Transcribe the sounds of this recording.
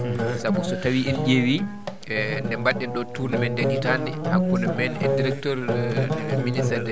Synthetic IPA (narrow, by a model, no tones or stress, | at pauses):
sabusɔtawiʔɛnɟewi | ndɛmbaɗɛnɗɔtunɛmɛndeʔitanihakːunɛmɛnɛdiɾɛk̚tɔɾ | minisɛɾdɛ